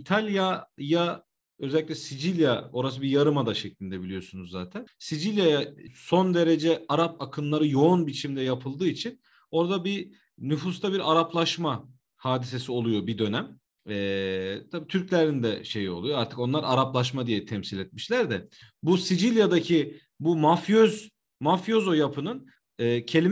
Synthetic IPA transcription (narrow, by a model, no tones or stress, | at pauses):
it̪ʰalʲjaja | ø̞zɛlʲːicʲlʲɛsid͡ʒilʲjao̞ɾasɯbijaɾɯmad̪aʃɛclʲind̪ɛbilʲijo̞sunuzːaːt̪ʰænsid͡ʒilʲjajaso̞nd̪e̞ɾe̞d͡ʒɛaɾap̚akʰɯnlˠaɾɯjo̞unbit͡ʃʰimd̪ɛjapʰɯlˠd̪ɯːit͡ʃʰin | o̞ɾd̪abi | nyfus̬t̪ʰabiɾaɾaplˠaʃma | haːd̪ise̞sio̞lˠujo̞bid̪ø̞næm | ɛːt̪ʰabit̪ʰyɾclʲæɾind̪ɛʃe̞jio̞lˠujoaɾt̪ʰɯ̥ko̞nlˠaɾaɾaplˠaʃ̬mad̪ijɛt̪ʰɛmsilʲɛt̪miʃlʲæɾd̪ɛbusid͡ʒilʲjad̪acʰi | bumafjøz | mafjo̞zo̞japʰɯnɯnː | cʰe̞lʲi